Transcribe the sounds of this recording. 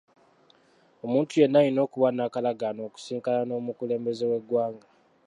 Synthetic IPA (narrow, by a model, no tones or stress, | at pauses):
o̞muːntuje̞nːajino̞ːkuβanakalaɡano̞ːku̥siːŋkalano̞ːmukule̞ːmbe̞ze̞we̞ɡwaːŋɡa